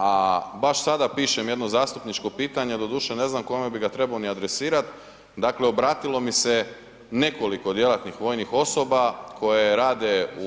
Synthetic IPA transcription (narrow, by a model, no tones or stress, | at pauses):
abaʃsad̪apiːʃemje̞d̪no̞zaːst̪upnit͡ʃko̞piːt̪aɲe̞d̪o̞d̪uːʃene̞znamko̞mebiɡat̪ɾe̞baoniad̪ɾe̞siːɾat̪ | d̪akleo̞bɾaːt̪ilˠo̞mise | ne̞ko̞likod̪je̞lat̪nixʋo̞ːjnixo̞sobakʰo̞jeɾaːd̪e̞u